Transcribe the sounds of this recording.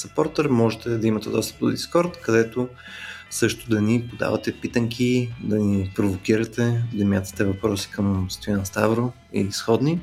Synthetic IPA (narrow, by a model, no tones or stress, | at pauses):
sɐpɔɾt̪ɛɾmɔʒɛt̪ɛd̪ɐimɐt̪ɛd̪ɔst̪ə̥p̪o̰d̪iskɔɾt̪kɐd̪ɛt̪o | sɤʃt̪ʊd̪ɐnipod̪a̰vɐt̪ɛpit̪əŋkʰid̪ɐnipɾovok̟iɾɐt̪ɛd̪ɐmjat̪ə̥t̪ɛvɐpɾɔsi̥kəmsə̥st̪ojanɛst̪avɾo | ḭlisxɔd̪ni